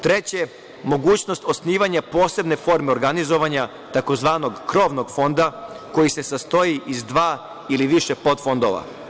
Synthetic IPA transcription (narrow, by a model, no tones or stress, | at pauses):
t̪ɾe̞t͡ɕe̞ | mo̞ɡuːt͡ɕno̞st̪o̞sniːʋaɲapo̞ːse̞bne̞fo̞ɾme̞oɾɡanizo̞ʋaɲa | t̪ako̞zʋaːnoɡkɾo̞ʋno̞ɡfo̞nd̪ako̞jise̞sast̪o̞jiʔizd̪ʋaː | iliʋiʃe̞po̞d̪fo̞nd̪o̞ʋa̰